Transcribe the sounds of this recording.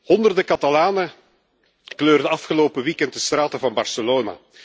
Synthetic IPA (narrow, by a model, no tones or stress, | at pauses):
hɔndərdəkɑtɑlaːnə | kløːrdəɑfχəloːpəʋiːkɛntəst̪raːtəvɑnbɑrsəloːna̰ː